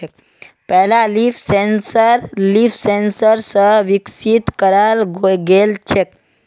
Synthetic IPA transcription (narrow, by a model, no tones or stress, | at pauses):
k | pɛɦlalifsensəɾliːfsensəɾsəʋiksit̪kəɾalɡoɡelt͡ʃʰek